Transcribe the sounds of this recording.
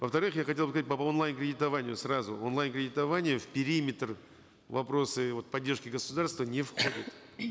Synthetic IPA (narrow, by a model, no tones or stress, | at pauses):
vəft̪ɐɾɨxjaxɐtʲelˠbɨs̬kzat̚ʲpəonlˠajnkɾʲɪdʲɪt̪ɐvanʲɪjʊsrazʊonlˠajnkɾʲɪdʲɪt̪ɐvanʲɪjəfpʲɪɾʲimʲɪt̪r | vɐpɾo̞sɨvo̞t̪̚pɐdʲːe̞rʂkʲɪɡəsʊd̪arst̪vənʲɪfxodʲɪt̪